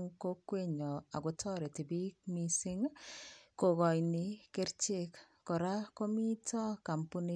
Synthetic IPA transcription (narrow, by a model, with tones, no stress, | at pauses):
ŋko˦kwe˦ɲɔ˨a˨ɡʊ˨tɔ˦ɾɛ˨ti˨bi˦k̚mi˦sɪ˦ŋ | ko˨ɣɔ˨jnɪ˨kɪ˦ɾt͡ʃe˦kː | ɔ˨ɾa˦ko˦mi˦tɔ˦ka˨mpu˦ni˦